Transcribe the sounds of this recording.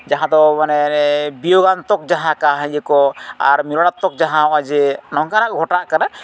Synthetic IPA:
d͡ʒaɦãd̪ɔmanɛbijɔɡant̪ɔk̚d͡ʒaɦãkaɦɛ̃d͡ʒɛkɔaɾmilɔɽat̪ːɔk̚d͡ʒaɦãad͡ʒɛnɔŋkaɾakɡʱɔʈaʔkana

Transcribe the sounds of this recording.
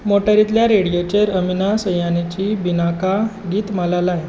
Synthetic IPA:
moʈəɾit̪ljaɾeɽijot͡ɕeɾəminasəjanit͡ɕibinaka | ɡiːt̪məlalaj

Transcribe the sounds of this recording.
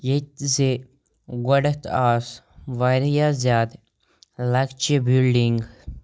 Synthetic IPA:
jet̪ze | ɡɔɽət̪aːs | ʋaɾjaːzjaːd̪ | lakt͡ʃebilɖiŋɡ

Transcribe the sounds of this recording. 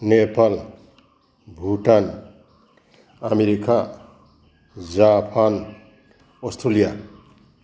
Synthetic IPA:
nepal | bʱuʈan | ameɾika | d͡ʒapʰan | ɔstɾolija

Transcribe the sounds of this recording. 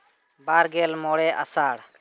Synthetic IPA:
baːɾɡeːlmoːɽɛːʔa̰saːɽ

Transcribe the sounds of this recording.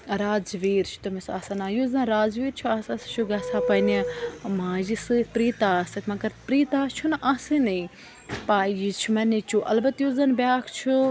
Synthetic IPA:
ɾaːd͡zʋiːɾt͡ʃʰu̥t̪ɐmisaːsɐnaːjuzɐnɾaːzʋiːɾt͡ʃʰuaːsɐst͡ʃʰuɡaːsaːpɐnimãːzisɨpɾiːt̪aːsɐkmɐkɐɾt̪pɾiːt̪aːt͡ʃʰunʔaːsɨni | paːjit͡ʃʰumɐnit͡ʃuʔɐ̰lbɐt̪juːzɐnbʲjaːkʰt͡ʃʰu

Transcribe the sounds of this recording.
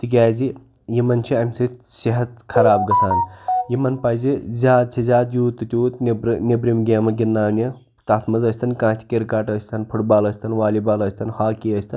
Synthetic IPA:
t̪ik̬ʲaːzi | jimɐnt͡ʃʰiɐmʲsisiɦɐt̪̚kʰɐɾaːbɡɐsʰaːnjimɐnpɐjzizʲaːd̪̚t͡ʃʰizʲaːd̪juːt̪ːɨt̪ʲuːt̪nbɾnʲebɾimɡʲeːmɐɡinːaːnʲjɐ | t̪ɐt̪ʰmɐzəsʲt̪ʰɐnkãːt̪ʰʲi̥kʲiɾkaʈəsʲt̪ʰɐnpʰuʈbaːləsʲt̪ʰɐnʋaːlibaːlɐsʲt̪ʰɐnhaːkiəsʲt̪ʰɐn

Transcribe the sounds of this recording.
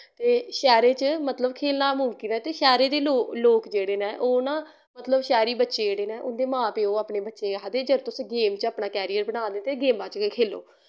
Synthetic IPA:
t̪eːʃɛːɾeːt͡ʃəmət̪ləbkʰeːlnaːmʊmkiːnaːt̪eːʃɛːɾeːd̪eːloːloːkd͡ʒeːɽeːnãːʔoːnãː | mət̪ləbʃɛːɾiːbətːʃeːeːɽeːnɛ̃ːʔʊ̰nd̪eːmãːpeːoːaːpneːbətːʃeːad̪eːd͡ʒəɾt̪ʊsɡeːmt͡ʃaːpnaːkɛːɾiːəɾbəɽãːnd̪eːt̪eːɡeːmãːt͡ʃkekʰeːlo̰ː

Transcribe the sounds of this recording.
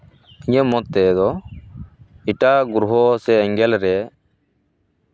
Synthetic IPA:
iɲə̃mɔt̪ːɛd̪ɔ | iʈaɡuɾuɦɔsɛːŋɡɛlɾɛ

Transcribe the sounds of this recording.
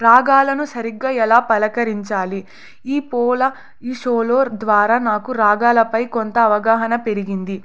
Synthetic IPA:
ɾaːɡaːlɐnusɐɾiɡːaːɛlaːpɐlɐkɐɾiɲt͡ʃaːli | iːpɔːlɐ | iʂoːloːd̪ʋaːɾaːnaːkuɾaːɡaːlɐpɐjkont̪ɐːʋɐɡaːɦɐnɐpe̞ɾiɡind̪i

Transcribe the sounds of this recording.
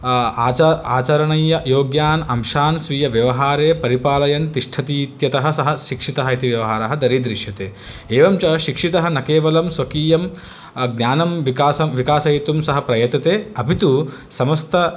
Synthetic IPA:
ɐaːt͡ʃɐɾɐɳɐjːɐjoːɡjaːnɐmʃaːnsʋijɐʋjɐʋɐɦaːɾeːpɐɾipaːlɐjɐnt̪iʂʈʰɐt̪iːt̪jɐt̪ɐɦɐ̆sɐɦɐ̆ʃikʂit̪ɐɦɐit̪iʋjɐʋɐɦaːɾɐɦɐd̪ɐɾid̪ɾiʃjɐt̪eː | eːʋɐmt͡ʃɐʃikʂit̪ɐɦɐnɐkeːʋɐlɐmsʋɐkiːjɐm | ɡnʲaːnɐmʋikaːsɐmʋikaːsɐjit̪umsɐɦɐpɾɐjɐt̪ːɐt̪eːɐbʱit̪u | sɐmɐst̪ʰɐ

